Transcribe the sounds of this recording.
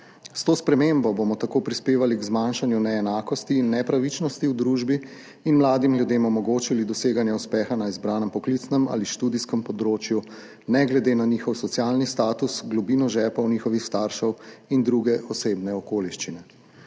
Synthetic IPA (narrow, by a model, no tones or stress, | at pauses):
st̪oːspɾɛmembɔboːmɔt̪akoːpɾispeːʋaliɡzmaːnʃanjunɛːnaːkɔst̪iːnːɛpɾaʋit͡ʃnɔst̪iwd̪ɾuːʒbiː | nmlaːd̪imljud̪eːmɔmɔɡoːt͡ʃilid̪ɔseːɡanjɛuspɛːxanaizbɾaːnɛmpɔklit̪snɛma̰ːliʃt̪ud̪iskɛmpɔd̪ɾoːt͡ʃju | nɛɡlɛd̪eːnanixɔwsɔt̪sijaːlnist̪aːt̪usɡlɔbinɔʒɛːpɔwniːxɔʋixst̪aɾʃɔwind̪ɾuɡɛʔɔseːbnɛɔkoːliʃt͡ʃinɛ